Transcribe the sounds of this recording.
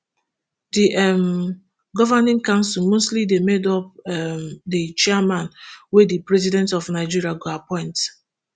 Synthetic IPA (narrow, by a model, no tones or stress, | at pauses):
diʔɛm | ɡɔvanɪ̃ŋkãʊ̃nsilˠmostlidemedɔp̚ɛmdit͡ʃɛamãnwedipɹɛzidɛ̃ntɔfnaɪd͡ʒiɹiaɡoapɔ̃ɪ̃nt